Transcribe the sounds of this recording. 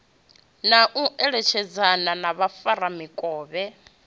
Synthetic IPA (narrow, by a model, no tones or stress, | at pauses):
naʔuʔɛɺɛt͡ʃʰɛd͡zananaβafaɾamikʼɔːβɛ